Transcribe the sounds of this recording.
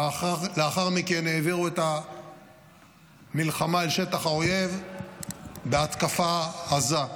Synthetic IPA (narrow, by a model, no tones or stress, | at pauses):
leaχaʁmikenːe̞ːviʁuet̪a | milχamaelʃe̞t̪aχao̞je̞v | beat̪kafahaza